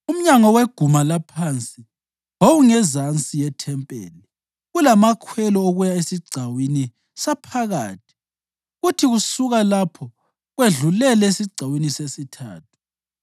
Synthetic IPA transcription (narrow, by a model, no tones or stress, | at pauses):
um̩ɲaŋɔweɡ̥ʱumalapʰant͡sʼi | ɦoɣuŋɛzant͡sʼijɛtʰɛmpʼḛːli | ɣulamakʰwɛlɔoɣujaesiɡ͡ǀʱawini | sapʰaɣaːtʰi̥ | ɣutʰiɣusuɣalapʰɔ | ɣweɮulɛlɛesiɡ͡ǀʱawinisesitʰa̰ːtʰu̥